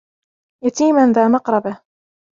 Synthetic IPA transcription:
jat̪iːmanðaːmɑqɾˤɑbɪh

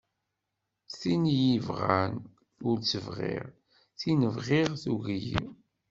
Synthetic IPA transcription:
θinjivʁæn | ʊɾt͡səvʁḭʁ | θinəvʁɪʁθuɣjḭ

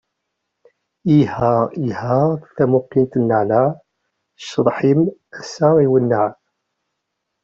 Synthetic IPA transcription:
ihihæθæmʊqːint̪nːəʕlaʕ | ʃəðˤħimæsːɑiwənːəʕ

